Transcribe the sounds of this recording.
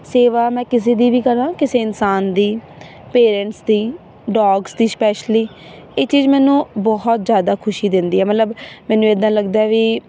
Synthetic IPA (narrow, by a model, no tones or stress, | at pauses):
seːʋaːmɛ̃ːkɪs̬eːd̪iːʋiːkəɾãːkɪseːɪnsaːnd̪iː | peːɾɛ̃ɳʈsd̪iː | ɖɔːɡsd̪iːspɛːʃliː | eːt͡ʃiːzmɛ̃ːnũːbɔːɦɔt̪zjaːd̪aːkʰʊʃiːd̪ɪ̃nd̪iːɛːmət̪ləbmɛ̃ːnũːed̪ãːləɡd̪aːɛʋiː